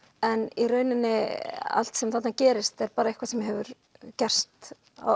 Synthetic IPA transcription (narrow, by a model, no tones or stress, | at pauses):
ɛnirœːɥnɪnːɪa̰l̥t̪sɛmθat̪nacɛːɾɪst̪ɛɾpaːɾaihkvasɛmjɦɛvʏɾ | cɛr̥st̪ | a̰